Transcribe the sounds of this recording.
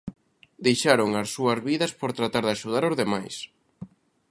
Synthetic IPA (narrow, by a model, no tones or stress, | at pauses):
d̪ejʃaɾʊŋɐsːuɐzβiðɐspoɾt̪ɾat̪aɾðaʃuð̞aɾʊzðemajs